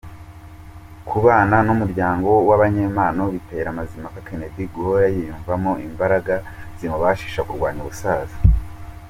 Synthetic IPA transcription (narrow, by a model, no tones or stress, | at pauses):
kʰuβaːnanumuɾɟaːŋɡo̞waβaɲe̞ːmaːno̞βite̞ɾamazimakake̞ne̞diɡhojajijuːɱvamoʔimbaɾaɡa | z̥imoβaʃi̥ʃakuɾɡwaːɲuβusaːzḁ